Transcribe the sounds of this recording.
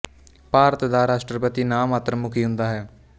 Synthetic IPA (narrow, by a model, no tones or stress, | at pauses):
paːɾət̪d̪aːɾaːsʈɾəpət̪iːnaːmaːt̪ɾəmʊkʰiːɦʊ̃nd̪aːɦɛː